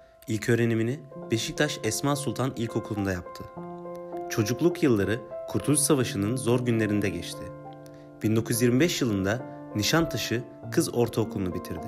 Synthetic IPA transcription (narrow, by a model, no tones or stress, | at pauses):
ilʲcʰø̞ːɾe̞niminib̥e̞ʃic̚t̪ʰaʃɛsmasulˠt̪ʰanilʲcʰo̞kʰulˠund̪ajap̚t̪ʰɯ | t͡ʃʰo̞d͡ʒuklˠukjɯlˠːaɾɯkʰuɾt̪ʰulʲyssavaʃɯnɯnzo̞ɾɟynlʲe̞ɾind̪ɛɟɛt͡ʃt̪ʰɪ | b̥ind̪o̞kujyzjiɾmibɛʃjɯlˠɯnd̪a | niʃant̪ʰaʃɯ | kʰɯzo̞ɾt̪ʰaokʰulˠunubit̪ʰiɾd̪ɪ